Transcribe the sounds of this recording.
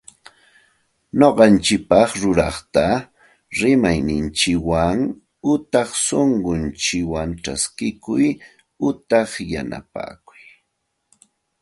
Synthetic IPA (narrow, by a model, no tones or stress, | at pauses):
ɲoɢɑnt͡ʃɪk̚pɑχɾʊɾɑχt̪a | ɾɪmajnɪnt͡ʃɪwaŋ | ʊt̪ɑχsoɴɢʊnt͡ʃɪwaŋʈ͡ʂaskɪkʊj | ʊt̪ɑχja̰na̰pa̰ːkʊ̥j